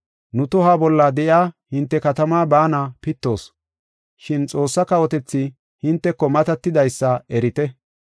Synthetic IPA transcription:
nʊt̪ʊɦaːbɔlːɐd̪ɛʔjaːhɪnt̪ːɛkɐt̪ɐmaːbaːnɐpɪt̪ːo̞ːs | ʃɪnt͡sʼo̞ːsːɐkɐwɔt̪ɛt͡sːɪ | hɪnt̪ːɛkːɔmɐt̪ɐt̪ːɪd̪ɐjsːɐɛɾɪt̪ɛ

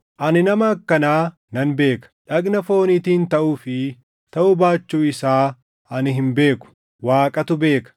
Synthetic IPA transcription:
ʔɐnɪnɐmɐɐkːɐnaː | nɐnbe̞ːkɐ̥ᶑɐɡnɐfo̞ːnit̪iːnt̪ɐʔuːfɪ | t̪ɐʔʊbaːt͡ʃːuːɪsaː | ɐnɪɦɪmbe̞ːkʊ̥ | waːkʼɐt̪ʊbe̞ːkɐ̥

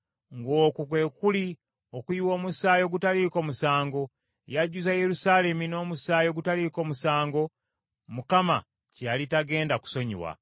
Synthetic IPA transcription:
ŋɡo̞ːkukwe̞kuli | o̞kuiwo̞ːmusaːjo̞ɡutaliːko̞musaːŋɡo̞ | jaɟːuzaje̞ɾusale̞mino̞ːmusaːjo̞ɡutaliko̞musaːŋɡo̞ | mukama̰ | calitaɡe̞ːndaku̥so̞ɲḭwa̰

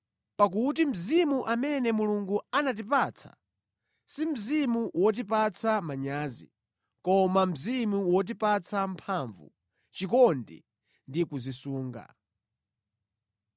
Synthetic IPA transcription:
pak̬ut̬im̩zimuʔamɛnɛmuluŋɡuanat̬ip̬aːt͡sʰḁ̰ | sim̩zimuwɔt̬ipat͡sʰamaɲaːzḭ | kɔmam̩zimuwɔt̬ipat͡sʰam̩pʰaɱvṵ | t͡ʃikɔndḭ | ndikuzisuːŋɡa̰

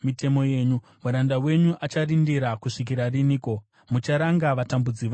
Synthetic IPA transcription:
mite̞mo̞je̞ːɲu | muɾandawe̞ɲuʔat͡ʃarindiɾakuʂik̬iɾariniːko̞ | mut͡ʃaɾaŋɡaʋatambud͡ziʋa

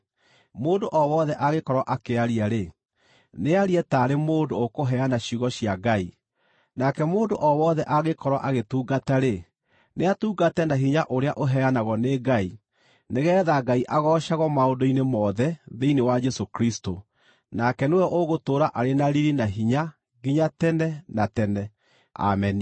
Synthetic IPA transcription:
moːndoʔɔwɔðɛʔaɣekɔɾwaʔakeaɾiaɾe | neaɾiɛtaːɾemoːndoːkoɦɛanaɕiɣɔɕjaɡai | nakɛmoːndoʔɔwɔðɛʔaɣekɔɾwa̰ʔaɣetuːɡataɾe | neatuːɡatɛnaɦiɲaʔoɾeaʔoɦɛanaɣɔneːɡai | neɣɛːðaɡaiʔaɣɔːʃaɣɔmaondoinemɔːðɛðeinewad͡ʒɛsokɾisto | nakɛnewɛʔoɣotoːɾaʔaɾenaɾiɾinaɦiɲa | ɣiɲatɛnɛnatɛnɛ | a̰mɛni

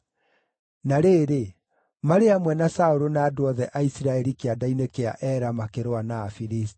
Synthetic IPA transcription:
naɾeːɾe | maɾeamwɛnasaoɾonaːdwɔðɛʔaisiɾaɛɾikeadainekea̰ʔɛɾamakeɾoanaːfiɾisti̥

